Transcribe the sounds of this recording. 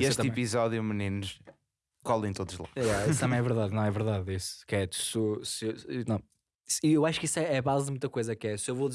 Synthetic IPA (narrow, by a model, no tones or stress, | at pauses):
iet̪ĩpizɔðjumɨninuʃ | kɔlˠɐ̃j̃t̪oðuʒlˠa̰jɛist̪ɐmɐ̃j̃ɛvɨɾðaðnɐ̃w̃ɛvɨɾðaðisu̥kɛt̪u̥susnɐ̃w̃ | siewaʃu̥kisɛɛβazðmũt̪ɐkojzɐkɛsewvoði